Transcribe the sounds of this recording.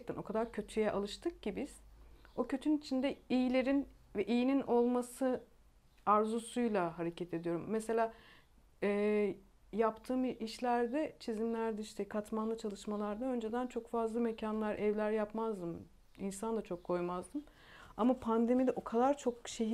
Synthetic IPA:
t̪ʰæno̞kʰad̪aɾcʰø̞t̪ʰyjɛʔalˠɯʃt̪ʰɯk̚cibiz̥o̞cʰø̞t̪ʰyynit͡ʃʰind̪ɛijilʲe̞ɾinvɛʔijininʔo̞lˠmasɯ | aɾzusujlˠaɦaɾe̞cʰɛt̪ʰe̞d̪ijo̞ɾumːese̞lʲaː | ɛː | japt̪ʰɯːmiʃlʲæɾd̪ɛt͡ʃʰizimlʲæɾd̪ɛiʃt̪ʰɛkʰat̪manlˠɯt͡ʃʰalˠɯʃmalˠaɾd̪aø̞nd͡ʒe̞d̪ænt͡ʃʰo̞kfazlˠamecʰanlˠaɾʔɛvlʲæɾjapmazd̪ɯm | insand̪at͡ʃʰo̞kʰːo̞jmazd̪ɯm | amapʰand̪e̞mid̪ɛʔo̞kʰad̪aɾt͡ʃʰo̞k̚ʃeɦi

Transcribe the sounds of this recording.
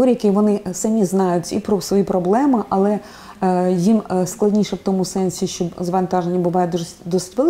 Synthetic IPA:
ɔɾʲijɐkɪʋɔnɪsɐmʲiznɑjʊtʲipɾɔsʋɔjipɾɔblˠɛmɪʔɐlˠɛ | jimsklˠɐdʲnʲiʃɛwt̪ɔmʊsɛnʲsʲiʃt͡ʃɔzʋɐnt̪ɑʒenʲːɐbʊʋɑjɛd̪uʐsd̪ɔstʲʋelˠ

